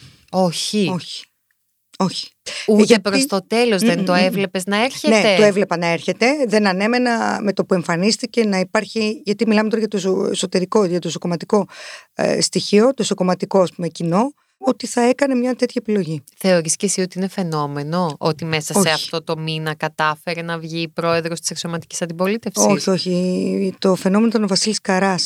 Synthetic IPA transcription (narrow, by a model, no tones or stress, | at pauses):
o̞çioçi̥ | o̞çi̥uðɐepɾost̪ot̪e̞lo̞zðent̪oevle̞pe̞znɐeɾçeneeoevle̞pɐnɐe̞ɾçe̞t̪e̞ðe̞nɐne̞me̞nɐme̞t̪o̞pue̞ɱfɐnist̪ice̞nɐipɐɾçiʝɐt̪imilɐmet̪oɾɐɣʝɐt̪oseso̞t̪e̞ɾiko̞ʝɐt̪o̞isokomɐt̪iko̞̰ | st̪içio̞t̪oiso̞ko̞mɐt̪iko̞ɐspume̞cino̞ | ot̪iθɐe̞kɐne̞mɲɐt̪e̞t̪çɐepilo̞ʝiθe̞o̞ɾiscesio̞t̪iine̞fe̞no̞me̞no̞ot̪ime̞sɐoeɐft̪o̞t̪o̞minɐkɐt̪ɐfe̞ɾenɐvʝipɾo̞e̞ðɾost̪i̥seksomɐt̪i̥ci̥sɐnd̪ipo̞lit̪e̞foiçsio̞çit̪o̞fe̞no̞menot̪novɐsiliskɐɾɐs